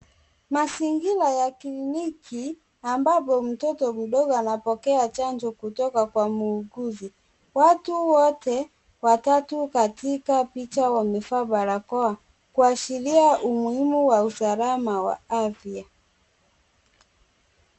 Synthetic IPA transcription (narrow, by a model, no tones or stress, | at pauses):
masiŋɡilajaklinikʰi | ambapɔm̩tɔtɔm̩ɗɔɡɔanapɔkɛat͡ʃand͡ʒɔkutɔkakwamuːɡuzi | watuwɔtɛ | watatukatikapit͡ʃawamifaɓaɾakɔa | kuaʃiliaumuhimuwausalamawa̰afia